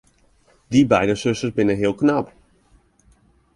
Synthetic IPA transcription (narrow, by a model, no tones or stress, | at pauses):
dibɛjdəsøsəsbɪnənɦɪəlˠknap